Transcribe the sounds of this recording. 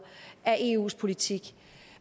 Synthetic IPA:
æʔe̝̰ːṵːspʰo̝lit͡sʰiɡ̥

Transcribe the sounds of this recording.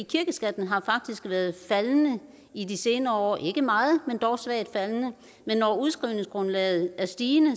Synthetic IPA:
ikʰiɐɡ̥əsɡ̥æd̥n̩ɦɑ̈fɑ̈ɡ̥̚d̥isɡ̥ʋæːɐð̞̩ˠfælnə | idise̝ːnɐːɒ̰ːʔe̝ɡ̥əmɑ̈ːð̩ˠmend̥ɒʊsʋæɐ̰d̥fælnə | menːɒuðˠsɡ̥ʁiʊne̝ŋsɡ̥ʁɔ̽nlɛ̰ːð̞̩ˠæɐsd̥iːnə

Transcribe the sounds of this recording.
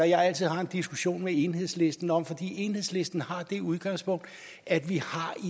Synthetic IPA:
æjɑ̈ɪæl̰t͡sʰiðˠɦɑ̈e̝nd̥isɡ̥uɕo̝̰ːnmee̝nɦe̝ðˠsle̝sd̥n̩ɒ̽m̰fɒ̽d̥ḭːe̝nhḛsle̝sd̥n̩hɑ̈d̥e̝uð̞ˠɡ̥ɑ̈ŋspʰɔ̽ŋ̰d̥ | æd̥ʋihɑ̈i

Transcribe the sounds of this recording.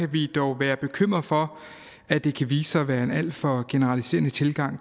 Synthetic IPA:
æʋid̥ɒʊʋæːɐb̥e̝kʰøm̰ʁɐfɒ̽ | æd̥e̝kʰæʋiːsəɒʋæːɐe̝næl̰d̥fɒ̽ɡ̥e̝nəʁɑ̈lise̝̰ːɐnət͡sʰe̝lɡ̥ɑ̈ŋ̰

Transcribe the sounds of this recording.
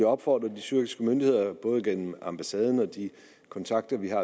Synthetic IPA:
iɒ̽b̥fɒ̰ːd̥ʁɐd̥isyɐ̰ɡ̥isɡ̥əmønd̥ihe̝ð̰ˠɐb̥ɔ̽ːð̞ˠəɡ̥en̰m̩ɑ̈mb̥æsɛːð̞ˠn̩ɒ̽d̥i | kʰɒ̽nt͡sʰɑ̈ɡ̥̚d̥ɐʋiɦɑ̈

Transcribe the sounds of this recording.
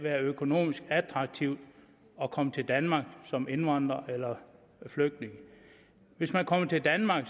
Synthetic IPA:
ʋæːɐøkʰo̝no̝̰ːmisɡ̥æd̥ʰʁɑ̈ɡ̥̚t͡sʰiʊd̥ | ɒ̽kʰɒ̽mət͡sʰe̝ld̥ænmɑ̈ːɡ̥sɒ̽me̝nʋɑ̈nd̥ʁɐʔelɐ | fløɡ̥̚d̥ne̝ŋə | ʋe̝smænkʰɒ̽mət͡sʰe̝ld̥ænmɑ̈ɡ̥

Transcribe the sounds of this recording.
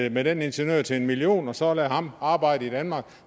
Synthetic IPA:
med̥ene̝nɕenø̰ɐ̰t͡sʰe̝e̝nmilio̝̰ːnɒ̽sɒ̽lɛhɑ̈mɑ̈ːb̥ɑ̈ɪ̰dəid̥ænmɑ̈ːɡ̥

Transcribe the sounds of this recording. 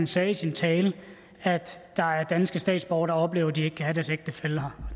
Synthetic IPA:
nsɛːisint͡sʰɛːlə | æd̥d̥ɑ̈æɐd̥ænsɡ̥əsd̥ɛ̰ːd̥sb̥ɒʊɐɾ̥ɑ̈ɒ̽b̥le̝ːʊɐd̥ie̝ɡ̥̚kʰæhæɾæɐseɡ̥̚d̥əfelhɑ

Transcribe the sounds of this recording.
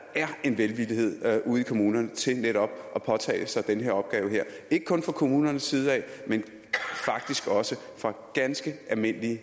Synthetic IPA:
æɐe̝nʋelʋiliɦe̝ð̞̰ˠʔuːð̞̩ˠikʰo̝muːnɐnət͡sʰe̝neɾ̥ɒ̽b̥̚ʔɒ̽pʰɒ̽t͡sʰɛ̰ːɪsɑ̈ɪd̥enəɦeɐ̰ɒ̽b̥ɡ̥ɛːʊɦe̝ɐ̰e̝ɡ̥ə̥kʰɔ̽nfʁɑ̈kʰo̝muːnɐnəsiːð̞̩ˠɛ̰ɪmen | fɑ̈ɡ̥̚d̥isɡ̥ɒ̽sə | fʁɑ̈ɡ̥ænsɡ̥əʔælme̝n̰əliə

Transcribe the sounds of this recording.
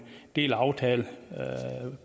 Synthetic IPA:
d̥e̝̰ːlɑ̈ʊt͡sʰɛːlə

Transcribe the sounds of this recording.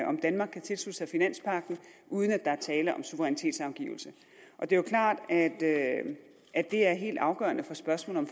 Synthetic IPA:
ʔɒ̽md̥ænmɑ̈ːɡ̥kʰːæt͡sʰe̝lslud̥ə̥sɑɪfinæn̰spʰɑ̈ɡ̥n̩ʔuð̞ˠənæd̥ɑ̈æɐt͡sʰɛːləʔɒ̽msuʋəʁɛnit͡sʰe̝̰ːd̥sɑ̈ʊɡ̥ḭːʊl̩sə | ʔɒ̽d̥e̝jokʰlɑ̰̈ːd̥æd̥ | æd̥e̝æɐɦe̝̰ːld̥ɑ̈ʊɡ̥ɶ̰ɐnəfɒ̽sb̥ɶɐsmɔ̰ːl̩ɒmf

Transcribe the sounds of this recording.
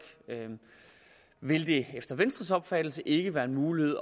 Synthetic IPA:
ɡ̥ | ʋe̝ld̥e̝efd̥ɐʋensd̥ʁɐsɒ̽b̥fæd̥l̩səʔe̝ɡ̥əʋæːɐe̝nmuːlihe̝ð̞̰ˠ

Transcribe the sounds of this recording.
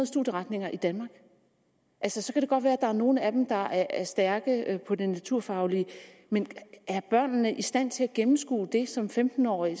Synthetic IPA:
ð̩ˠsd̥ud̥jəʁɑ̈d̥ne̝ŋɐʔid̥ænmɑ̈ːɡ̥ | ʔælsəsɒ̽kʰæɾ̥e̝ɡ̥ɒ̽d̥ʋæːɐæd̥ɑ̈æɐno̝ːn̩æd̥em̩d̥ɑ̈æɐæɐsd̥æɐɡ̥əpʰɒ̽d̥enæt͡sʰuɐ̰fɑ̈ʊlimenæɐb̥ɶɐ̰nːəʔisd̥æn̰t͡sʰe̝læɡ̥emm̩sɡ̥ṵːd̥e̝sɒ̽mfemd̥n̩ɒ̰ːi

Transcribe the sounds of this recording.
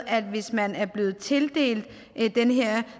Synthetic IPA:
æd̥ʋe̝smænæɐb̥le̝ːð̞̩ˠt͡sʰe̝ld̥e̝̰ːld̥ | ʔd̥enəɦeɐ̰

